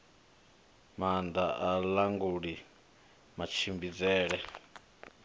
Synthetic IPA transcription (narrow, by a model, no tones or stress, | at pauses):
mand̪aʔalaŋɡuɺi | mat͡ʃʰimbid͡zɛːɺɛ